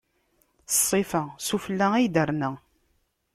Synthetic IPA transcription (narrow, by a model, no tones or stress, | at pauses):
θsˤːifəsufəlːæijd̪əɾnə